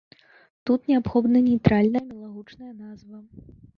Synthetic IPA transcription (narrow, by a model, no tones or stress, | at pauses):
t̪ut̪nʲɛapxɔb̪nɐnʲejt̪ɾalʲnɐjɐmʲɛlˠaɣut͡ʂnɐjɐnazvɐ